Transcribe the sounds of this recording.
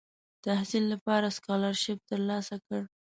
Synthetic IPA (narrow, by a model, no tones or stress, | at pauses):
t̪ahsilːapɑɾaskɑlɑɾʃɪb̚t̪əɾlɑsakəɽ